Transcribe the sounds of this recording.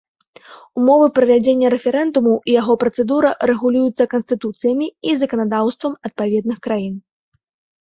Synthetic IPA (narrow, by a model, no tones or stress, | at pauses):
umɔvɨpɾɐvʲad͡zʲenʲːɐɾɛfʲɛɾɛnd̪umuʔijaɣɔpɾɐt̪sɛd̪uɾɐɾɛɣulʲujut̪sːɐkɐnst̪ɨt̪ut̪sɨjɐmʲiizɐkɐnad̪awst̪vɐmɐt̪̚pavʲɛd̪nɨxkɾajin